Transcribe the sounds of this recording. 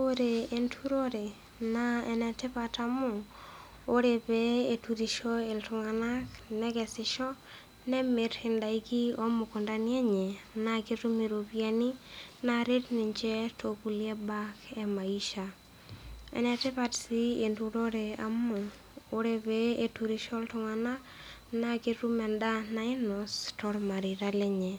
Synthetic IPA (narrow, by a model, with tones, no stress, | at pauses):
o˦ɾe˨e˨ntʰu˦ɾo˦ɾe˨ | naɛ˨nɛ˨tɪ˦pa˨ta˨mʊ˨ | o˦ɾe˨bɛe˨tu˨ɾi˨ʃo˦e˨ltʊ˨ŋa˨na˦knɛ˦kɛ˨sɪʃɔ˦ | nɛ˦me˨ɾhɪ˨nda˨iki˦o˦mʊ˨kʊ˨nda˦njɛ˦ɲɛ˨naki˦ɾu˦mi˨ɾo˨pja˦ni˦na˨ɾɪ˦tnɪ˨ɲt͡ʃɛ˦tʰo˨ku˨li˦ɛ˦ba˦kɛ˦ma˨iʃa˨ | ɛ̰˨nɛ˨tɪ˦pa˨tsi˦e˨ntu˦ɾo˦ɾe˨a̰˨mʊ˨ | o˦ɾe˦bee˦tu˨ɾi˨ʃɔ˦ltʊ˨ŋa˨na˦k | na˦ki˦ɾu˦mɛ˨nda˦na˨ɪ˦nɔ˨stɔ˦ɾma˨ɾi˨ɾa˦lɛ˦ɲɛ˨